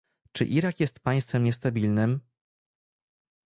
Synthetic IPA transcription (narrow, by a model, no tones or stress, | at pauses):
t͡ʂɘ̰ʔiɾakjɛst̪paj̃st̪fɛmɲɛs̬t̪abʲilnɘm